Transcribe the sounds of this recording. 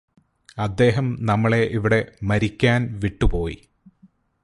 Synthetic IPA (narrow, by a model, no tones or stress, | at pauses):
ɐd̪ːe̞ːɦɐmnɐmːɐɭe̞ʔiʋiɽe̞mɐɾikʲːaːnʋiʈːupo̞ːjḭ